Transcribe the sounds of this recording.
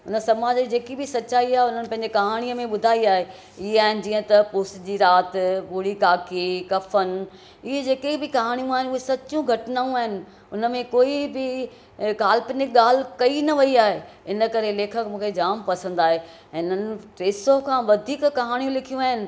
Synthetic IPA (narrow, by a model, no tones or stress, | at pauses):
ʊnə̆sɐmaːd͡ʑd͡ʑeːkibɪsɐtːt͡ɕaːiaːɦeʊnənɪpɐ̃ɦɪ̃ɲd͡ʑekɐɦaːɽ̃iəmẽɓʊd̪ʱaːiaːɦe | ɪɦeaːɦɪnɪ̆d͡ʑiːə̃t̪ɐpʊsd͡ʑiːɾaːt̪ɓʊːɽikaːkikɐfən | ɪɦed͡ʑeːkebɪkɐɦaːɽ̃ijũaːɦɪnɪʊɦesɐt͡ɕũɡʱɐʈɪnaːũaːɦɪnɪ̆ | ʊnəmẽkoːibɪ | ɡaːl̤ɪpneɠaːl̤kɐinɐʋɐiaːɦe | ɪnəkɐɾeleːkʰəkmũːkʰed͡ʑaːmpɐsə̃nd̪aːɦe | ɛ̃ːʊnənɪ̆ʈɾeːsokʰãːʋɐd̪ʱiːkkɐɦaːɽ̃ijũlɪkʰijũaːɦɪnɪ̆